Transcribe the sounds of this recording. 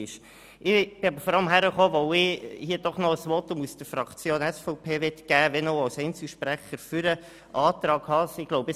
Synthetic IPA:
ɪʃ | ʔɪb̥ɪɑbəɾfɔɾɑləmɦæɾəχoːʋoʊɪhiːəd̥ɔχnɔəsʋɔtʊmusd̥əɾfɾɑkt͡sjoːnɛsfɔʊpʰeːʋɛtɡ̥æːʋɛnoʊɑwsɛɪnt͡siʃpɾæχəɾfyɾə | ʔɑːt̪ɾɑːɡhɑsɪɡ̥loʊbə

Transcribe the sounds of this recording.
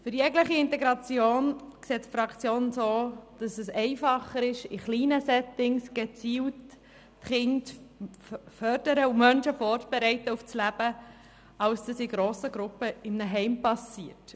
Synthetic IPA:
fʏɾjɛɡləχiɪnt̪ɛɡɾɑt͡sjoːnkseːtfɾɑkt͡sjoːnsoːd̥ɑsɛsɛɪfɑχəɾɪʃɪχliːnəsɛtɪŋsɡ̥ɛt͡siːwt | χɪnt | fœɾd̥əɾəumœnʃəfɔːɾt͡sb̥ɛɾɛɪtːəuft͡slæb̥ə | ɑlsd̥ɑsɪɡ̥ɾoːsəɡɾʊpəɪmnəɦɛɪmpɑsiːət

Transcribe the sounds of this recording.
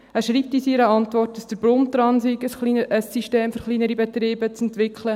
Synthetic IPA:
æːʃɾiːp̚tisiɾəɑntʋɔrtːdɑsd̥əɾbɾʊmt̪ɾɑnsiɡəsχlinəəsːiʃteːmfʏɾχliːnəɾibɛtɾiːbət͡sɛntʋɪkχlə

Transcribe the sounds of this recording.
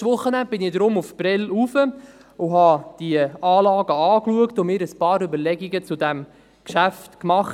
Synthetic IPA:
ʋʊχːənænd̚b̥ɪnɪd̥̪ɾʊmufpɾɪlufə | ʊɦɑd̥iəɑːlɑːɡəɑːkluəktʊmɪːɾəspɑːɾybəɾlɛɡiɡət͡sʊdæm | kʃæftkmɑχ

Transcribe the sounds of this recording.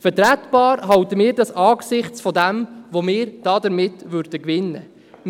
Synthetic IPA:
fəɾtɾætb̥ɑːɾɦɑwtəmɪːɾdɑsɑːɡsɪχt͡sfɔdɛmʋomɪːɾd̥ɑːdəɾmɪtʋʏɾd̥əkʋɪnːə | m

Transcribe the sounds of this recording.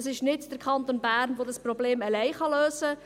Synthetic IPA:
əsɪʃnɪtd̥əɾkʰɑnt̪onbæːɾnʋodɑsprobleːməlɛjχɑløːsə

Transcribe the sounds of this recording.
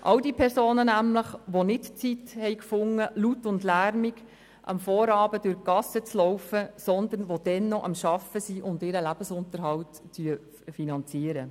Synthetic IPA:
ʔɑwdiːpʰɛɾsoːnənæmləχʋonɪtt͡sithɛjkfʊŋːəlutːʊndlæɾmiɡ | ʔɑ̰mfɔːɾɑːb̥ədʊɾkɑsət͡slɔʊwfəsɔnd̪ənʋod̥ɛnːɔʔɑmʃɑfəsiʔʊndɪːɾəlæb̥əsʊnt̪əɾɦɑltt͡syə | finɑnt͡siəɾə

